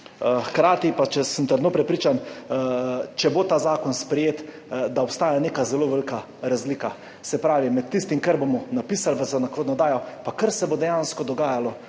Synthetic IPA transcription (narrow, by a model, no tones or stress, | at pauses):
xkɾaːt̪ipat͡ʃɛsəmt̪əɾd̪noːpɾɛpɾiːt͡ʃan | t͡ʃɛbot̪aːzaːkɔnspɾɛjeːt̪ | d̪aɔpst̪aːjaneːkazɛloʋɛlika | ɾazlika | sɛpɾaːʋimɛt̪ːist̪imkɐɾbomɔnapiːsalʋəzanakɾoːd̪nɔd̪aːjɔpakəɾsɛbod̪ɛjanskɔd̪ɔɡaːjalɔ